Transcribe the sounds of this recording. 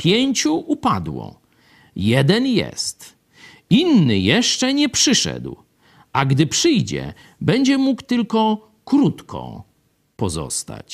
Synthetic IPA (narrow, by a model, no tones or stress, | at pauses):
pʲjeɲt͡ɕuʔupad̪wɔ̰ | jɛd̪ɛnjɛ̰st̪ | inːɘjɛʂt͡ʂɛɲɛpʂɘʂɛ̰d̪w | ʔaɡd̪ɘpʂɘjd͡ʑɛ̰ | bɛɲd͡ʑɛmukt̪ɘlkɔ | kɾut̪kʰɔ̰̃ | pɔzɔ̰st̪a̰t͡ɕ